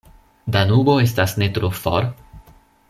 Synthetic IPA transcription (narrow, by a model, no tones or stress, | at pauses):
danubo̞e̞s̬tasne̞tɾofo̰ɾ